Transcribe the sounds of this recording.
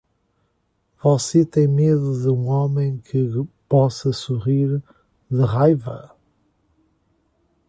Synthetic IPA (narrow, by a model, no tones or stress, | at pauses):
vɔset̪ẽj̃meðuðɨũɔmẽj̃kʰɨpɔsɐsuʁiɾ | ðɨʁajvɐ